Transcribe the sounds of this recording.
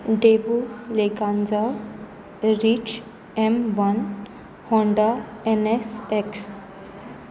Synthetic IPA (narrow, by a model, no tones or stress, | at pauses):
ɖebuleɡãnd͡ʒa | ɾit͡ʃ | emʋan | hɔ̃ɳɖaeneseks